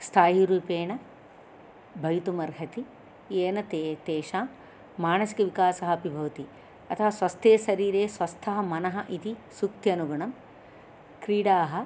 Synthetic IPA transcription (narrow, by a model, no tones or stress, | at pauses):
st̪ʰaːɦiɾuːpeːɳɐ | bʱɐjt̪umɐɾɦɐt̪i | eːnɐt̪et̪eːʃaː | maːnɐsi̥kɐʋikaːsɐɦɐɐpibʱɐʋɐt̪i | ɐt̪ʰɐɦɐsʋɐst̪ʰeːsɐɾiːɾeːsʋɐst̪ʰɐɦɐmɐnɐɦɐʔit̪isukt̪jɐnuɡɐɳɐm | kɾiːɽaːɦɐ